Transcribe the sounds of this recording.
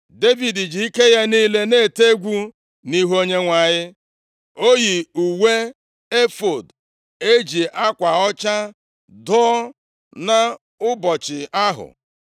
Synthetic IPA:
de˦vi˨di˨d͡ʒi˨i˦ke˦ja˦niː˦le˦ne˦˨te˦ɡʷu˦ | ni˦ɦo˦ɲe˦ŋʷa˨ɲɪ˦ | o˦ji˨u˨we˦ | e˦fo˨d | e˦d͡ʒi˨ʔa˦kʷa˨ɔ˦t͡ʃa˦ | dɔ˦ | na˦ | ʊ˦bɔ˨t͡ʃɪ˨ʔa˦ɦʊ̰˨

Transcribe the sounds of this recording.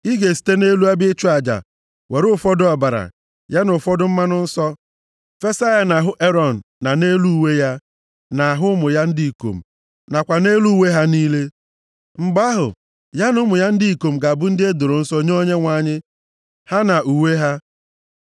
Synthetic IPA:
i˦ɡe˨si̥˨te˦ne˦lu˦a˦bɪ˦ɪ˦t͡ʃu˦a˨d͡ʒa̰˨ | we˨ɾʊ˦fɔ˦dʊ˨ɔ˨ba˨ɾa̰˨ | ja˦nʊ˨fɔ˦dʊ˦m̩˦ma˦nʊ˦n̩˦sɔ˦ | fe˦sa˦ja˦na˨ɦʊ˦ʔe˦ɾɔ˨n̩˨na˨ne˦lu˦u˦we˦ja˦ | na˨ɦʊ˦mʊ˨ja˦n̩˦dɪ˦i˨ko̰˨m̩˨ | na˨kʷa˨ne˦lu˦we˦ɦa˦niː˦le˦ | ŋ͡m̩˨ɡ͡ba˦ɦʊ̰˨ | ja˦nʊ˦mʊ˨ja˦n̩˦di˦i˨ko˨m̩˨ɡa˨a˨bʊ˦n̩˦dɪ˦e˦do˨ɾo˨n̩˦sɔ˦ɲe˦o˦ɲe˦ŋʷa˨˦˨ɲɪ˦ | ha˦na˨ʔu˨we˦ɦa˦

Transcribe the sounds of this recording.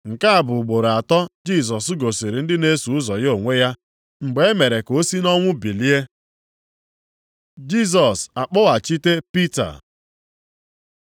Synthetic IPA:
ŋ̩˨ka˦a˦˨bʊ˨ɡ͡bo˨ɾa˨tɔ˦d͡ʒi˦˨s̬ɔ˨sɡo˨si˨ɾi˨n̩˦dɪ˦ne˦su˨ʊ˦zɔ˨jo˨ŋʷe˦ja˦ | ŋ͡m̩˨ɡ͡be˨e˦me˨ɾe˨ko˦si˦nɔ˦ŋʷʊ˦bi˨li˦e˦ | d͡ʒi˦˨s̬ɔ˨sa˨k͡pɔ˦wa˨t͡ʃi˦te˦pi˦ta̰˨

